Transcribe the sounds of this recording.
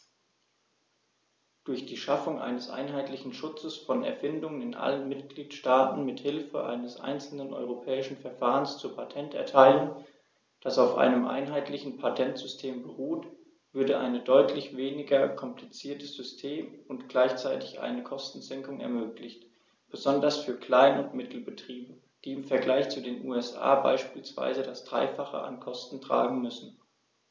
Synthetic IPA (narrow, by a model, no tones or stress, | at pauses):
d̥ʊɐçd̥iːʃafʊŋʔa̰ɪnəsʔa̰ɪnɦaɪtlɪçn̩ʃʊt͡səsfɔnɛ̰ɐfɪndʊŋənɪnʔa̰lənmɪtɡ̥liːtʃtaːtn̩mɪthɪlfə̰ʔa̰ɪnəsʔa̰ɪnt͡sl̩nənʔɔ̰ʏʁopʰɛːɪʃn̩fɛɐfaːʁənst͡suːɐpʰatʰɛntɛ̰ɐtʰaɪlən | d̥asaʊfʔa̰ɪnəmʔa̰ɪnɦaɪtlɪçn̩pʰatʰɛntz̥ʏstʰeːmbəʁuːt | v̥ʏɐdəʔa̰ɪnədɔʏtʰlɪçv̥eːnɪɡɐkʰɔmplit͡siːɐtəz̥ʏstʰeːmʊntɡ̥laɪçt͡saɪtɪçʔa̰ɪnəkʰɔstn̩zɛŋkʊŋɛ̰ɐmøːklɪçt | b̥əzɔndɐsfyːɐkl̥aɪnʊntmɪtʰl̩bətʁ̥iːbə | d̥iːɪmfɛɐɡlaɪçt͡sudeːnʔuːɛsʔa̰ːba̰ɪʃpiːlsv̥a̰ɪzədasd̥ʁa̰ɪfaχə̰ʔa̰nkʰɔstn̩tʁ̥a̰ːɡŋ̩mʏsn̩